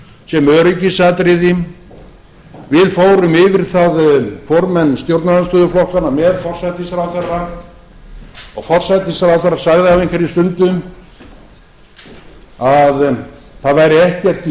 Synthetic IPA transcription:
sɛmœɾʏcɪsat̪ɾɪðɪm | vɪðfoːwɾʏmɪvɪɾ̥θaðfɔɾmɛnːst̪jowɾt̪naɾanst̪œːðʏflɔhkanamɛðfɔr̥sajt̪ɪsaɾawθɛrːa | ɔɣfɔr̥sajt̪ɪsaɾawθɛrːasaɣðɪavejŋkvɛɾist̪ʏnt̪ʏm | að | θaðvajɾɪɛhcɛr̥t̪

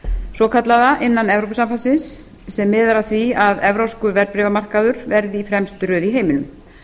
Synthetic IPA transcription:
sɔkʰat̪laðaʔɪnːanɛvɾowp̬ʏsamfalsɪnsː | ɛmːɪːðaɾaθviaðɛvɾowskʏɾvɛɾpɾɪvamar̥kaðʏɾvɛɾðɪifɾɛmst̪ɾœːðiɦeːjmɪnʏm

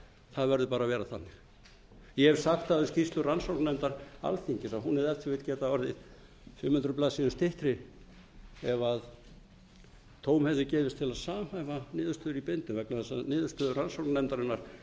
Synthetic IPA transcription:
θaðvɛɾðʏpaːɾavɛːɾaθanːɪ̥ | jɛvsaxt̪aðɛscist̪lʏransowknɛmt̪aɾa̰lθiɲcɪsaɦunɛðɛlt̪svɪt̪cɛːt̪aɔɾðɪð | fʏmhʏnt̪ɾʏplaːsiːðʏst̪ʰɪht̪ɾɪ | ɛvað | t̪ʰoːwmhɛɪcɛːvɪst̪ʰɪlaðsaːhajvanɪːðʏst̪œːðʏɾipent̪ʏvɛknaθɛsanɪːðʏst̪œːðʏɾransowɾknɛmt̪aɾɪnːaɾ̥

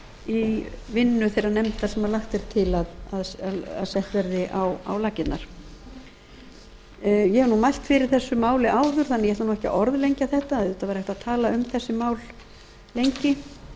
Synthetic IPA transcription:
ivɪnːʏθejranɛmt̪asɛmalaxt̪ɛɾ̥t̪ʰɪlaðaða̰ðsɛht̪vɛɾðɪʔawa̰wlaːcɪt̪na̰ɾ̥ | jɛɛvɾnumajl̥t̪fɪɾɪɾ̥θɛsːʏmaːwlɪʔaːwðʏɾ̥θanːɛjɛhɛt̪anuːɛhca̰ʔɔɾðlejɲcaθɛht̪aððʏːt̪avɛjɾhɛht̪aðt̪ʰaːlaʏmθɛsːɪmaːwl | lejɲcɪ

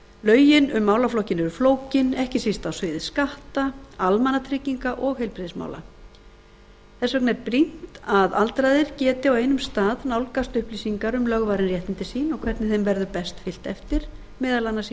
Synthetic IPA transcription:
lœːɥjɪnʏmːaːwlaflowhcɪnɛɾʏfloːwcɪnɛhcɪsist̪awsvʏːðɪskaht̪aalmanːat̪ʰɾɪciŋkaʔɔɣhejlpɾɪðɪsma̰wla̰ | θɛsvœknɛɾpɾin̥t̪aðalt̪ɾajðɪɾ̥cɛːt̪ɪaweːjnʏmst̪aːðnawlkast̪ʏhpliːsiŋkaɾʏmlœɣvaːɾɪnrjɛht̪ɪnt̪ɪsiːnɔɣkʰvɛɾt̪nɪθejmvɛɾðʏpɛst̪fɪl̥t̪ɛft̪ɪɾ̥ | mɛːðalanːasiː

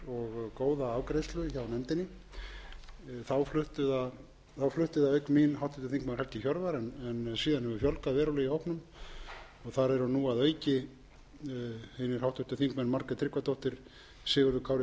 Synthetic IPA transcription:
ɔɣkoːwðaavkɾejst̪lʏçawnɛmt̪ɪnːɪ | θawflʏht̪ʏða | θawflʏht̪ʏðaœɥkminɦawht̪ɪht̪ʏθiŋk̚mɛnhɛl̥t̪ɪçɔɾvaɾɛnɛnsiːðanhɛvʏfjɔlkavɛːɾalɛɣihɔwhpnʏm | ɔɣθaɾɛɾʏnuːaðœːɥcɪ | hɪnːɪɾ̥hawht̪ʏt̪ʏθiŋkmɛnmaɾkat̪ʰɾɪhkvat̪owht̪ɪɾ̥ | sɪːɣʏɾðʏkʰawɾɪ

